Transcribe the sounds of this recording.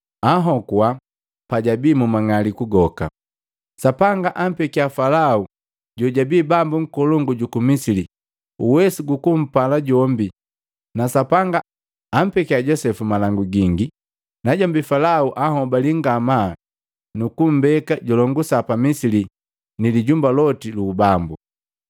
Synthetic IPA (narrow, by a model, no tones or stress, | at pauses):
aɦɔkwa | paɟabiːmumaŋalikuɡɔka̰ | sapaŋɡaʔam̩pɛkiafalau | ɟɔɟabiːbambuŋ̩kɔlɔŋɡuɟukumisili | uwɛsiɡukum̩palaɟɔmbi | nasapaŋɡaː | m̩pɛkiaɟɔsɛfumalaŋɡuɡiŋɡi | naɟɔmbifalauʔahɔbaliŋɡama | nukum̩bɛkaɟɔlɔŋɡusapamisili | niliɟumbalɔtiluːbambu